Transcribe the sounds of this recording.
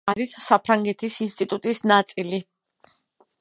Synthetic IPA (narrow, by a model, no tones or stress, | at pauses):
aɾissapʰɾaŋɡɛt̪ʰisinst̪ʼit̪ʼut̪ʼisnat̪sʼili